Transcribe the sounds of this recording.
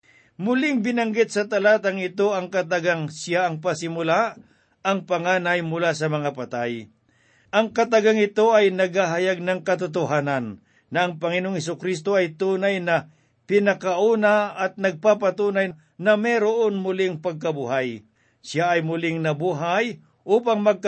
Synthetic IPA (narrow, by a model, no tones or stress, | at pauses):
mʊlɪŋbɪnɐŋɡɪt̪̚sɐt̪ɐlaːt̪ɐŋɪt̪o̞ɐŋkɐt̪̬aɡaŋsjaʔɐŋpɐsɪmʊla | ɐŋpɐŋaːnɐjmʊlasɐmɐŋapɐt̪aj | ʔɐŋkɐt̪ɐɡaŋɪt̪o̞ʔɐjnɐɡhaɦɐjaɡ̚nɐŋkɐt̪ʊt̪̬ʊɦaːnɐnː | ɐɐŋpɐŋɪnooŋhɛs̬ʊkɾist̪o̞ɐjt̪uːnajnɐ | pɪnɐkaʔuːnaɐt̪̚nɐɡ̚papat̪uːnaj | nɐmɛɾoʔonmʊlɪŋpɐɡ̚kɐbuɦaj | sɪjaʔɐjmʊlɪŋnɐbuːɦaj | ʔuːpaŋmɐɡ̚k